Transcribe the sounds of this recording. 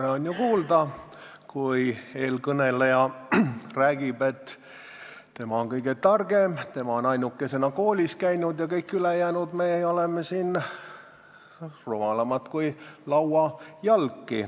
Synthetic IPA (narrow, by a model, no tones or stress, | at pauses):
ɾeonʲjukuːld̪ɑkujeːlkɤnelejɑ | ræːɡ̥ibe̞t̪ː | t̪e̞mɑoŋkɤjɡ̥et̪ɑrɡ̥emt̪e̞mɑonɑjnukːˑese̞nɑkoːlʲiskæjnud̪jɑkɤjkːylejæːnud̪meolemːesiːn | romɑlɑmɑt̪kujlɑwɑjɑlkˑːi